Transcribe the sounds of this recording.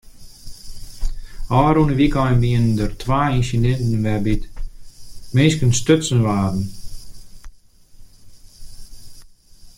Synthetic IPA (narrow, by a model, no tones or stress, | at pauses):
ɔːɾunəʋikɔjnbiəndərtʰʋaːinsidɛntn̩ʋɛbit | meːskənstøtsənʋaːdn̩